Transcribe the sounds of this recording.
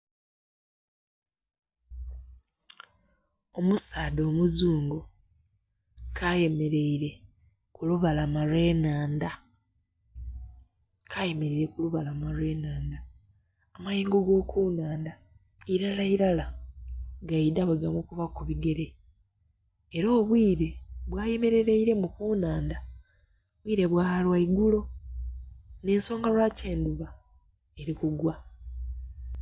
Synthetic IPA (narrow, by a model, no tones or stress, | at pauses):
o̞musaːdo̞ːmuzuːŋɡo | kʰaje̞me̞ɾe̞iɾe̞ | kuluβalamalwe̞ːnaːnda | kʰaje̞me̞ɾiɾe̞kuluβalamalwe̞ːnaːndaː | majiːŋɡoɡo̞ːkʰuːnaːnda | iɾalaiɾala | ɡaidaβeɡamukuβakuβiɡe̞ɾe̞ | ɾo̞ːβwiːɾe̞βwaːjeme̞ɾe̞ɾeiɾe̞mukuːnaːnda | βwiːɾe̞βwaːalwaiɡulo̞ | ne̞ːnso̞ːŋɡalwaːceːnduβa | e̞ɾikuɡwa